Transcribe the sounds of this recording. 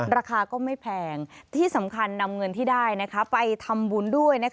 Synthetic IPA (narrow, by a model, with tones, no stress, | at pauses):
ɾaː˧kʰaː˧kɔː˥˩ma˥˩jjpʰɛː˧ŋt̪ʰiː˥˩sa˩˦mkʰa˧nːa˧mŋɤ˧nt̪ʰiː˥˩daː˥˩jna˦˥kʰa˦˥pa˧jt̪ʰa˧mbu˧ndu˥˩əjna˦˥